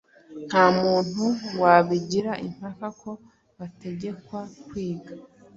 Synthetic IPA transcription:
n̥haːmuːn̥uwaβiɟiɾaʔim̥hakakʰo̞ | βate̞ɟe̞kwakwiːɡa

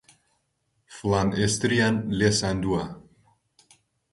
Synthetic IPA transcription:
flanest̪ɾianlesand̪ua

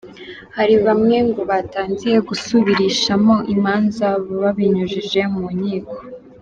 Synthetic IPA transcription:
haɾiβamŋe̞ŋɡo̞βataːnzije̞ɡusuβiɾiʃamo̞ʔimaːnzaββaβiɲuʒiʒe̞muɲiːko̞̥

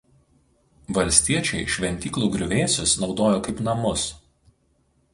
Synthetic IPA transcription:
ʋɐlʲsʲt̪ʲiɛt͡ʃʲɛɪʃʲʋʲɛnʲt̪ʲiːklˠuːɡɾʲʊʋʲeːsʲʊsnɒʊd̪oːjoːkɐɪpnɐmʊs

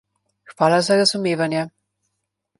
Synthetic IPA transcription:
xʋaːlazaɾazumeːvanjɛ

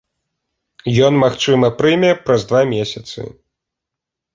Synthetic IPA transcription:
jɔnmaxt͡ʂɨmɐpɾɨmʲɛpɾɐzd̪vamʲesʲɐt̪sɨ̰

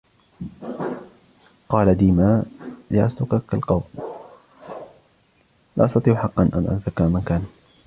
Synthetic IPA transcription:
qɑːlad̪iːmaːlaʔa̰slʊqɑkalqɑwm | la̰ʔɑst̪ɑt̪ˤiːʕħɑqːɑnʔa̰nʔa̰akːamankaːn

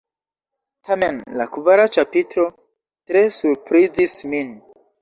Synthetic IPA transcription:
tʰame̞nlakuvaɾat͡ʃapitɾo̞ | tɾe̞suɾpɾizismin

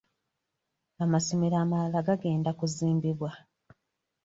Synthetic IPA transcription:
amasomiɾaːmalaɡaɡe̞ːndakuziːmbiβwa

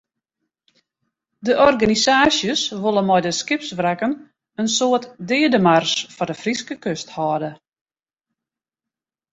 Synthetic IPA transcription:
dəʔɔrɡanisaːsjəsʋolˠənmɔjdəskɪpsʋrɛkən | ənsoətdɪədəmarsfɔdəfriskəkøsthɔːdə

